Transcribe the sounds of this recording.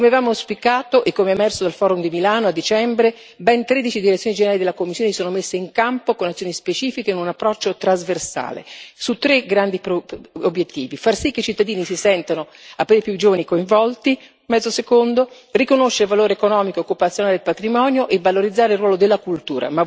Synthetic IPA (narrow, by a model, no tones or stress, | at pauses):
omeavaːmoaspikaːt̪oʔekːomeɛːmɛrsod̪alfɔːɾumd̪imilaːnoad̪ːit͡ʃɛmbɾe | bɛnt̪ɾeːd̪it͡ʃid̪iɾet̪sjoːnid͡ʒeneɾaːlid̪elːakomːisːjoːnesoːnomesːeiŋkampokonat̪sːjoːnispet͡ʃiːfikeinunapːɾɔt͡ʃːot̪ɾazversa̰ːlḛsut̪ːɾeɡɾand̪ipobjet̪ːiːvifarsikːeit͡ʃit̪ːad̪iːnisisɛnt̪ano | apːɾiipjud͡ʒoːvanikoiɱvɔlt̪i | mɛd̪zːosekond̪o | rikonoʃːeɾevaloːɾeekonɔːmikookːupat̪sːjonaled̪elpat̪ɾimɔːnjoʔevːaloɾid̪zːaːɾeilrːwɔːlod̪elːakult̪uːɾa̰ma